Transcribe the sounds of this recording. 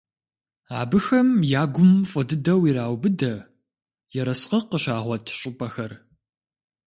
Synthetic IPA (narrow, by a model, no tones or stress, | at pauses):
a̰ːbɨxɐmjaːɡʷʊmfʼɔdɨdɐwiːɾaːwbɨdɐ | jɛɾɐsqɐqəɕaːʁʷɔtʰɕʼʊpʼɐxɐr